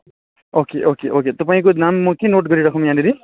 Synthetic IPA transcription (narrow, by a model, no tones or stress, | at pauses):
okeʔokeʔoket̪ʌpaĩk̬onamːʌkenoʈɡʌɾiɾakʰõmjãniɾi